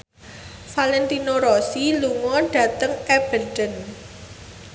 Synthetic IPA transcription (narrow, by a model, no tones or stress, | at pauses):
falɛnt̪inoɾɔsiluŋɔɖ̥a̤t̪əŋeb̥ə̤rdən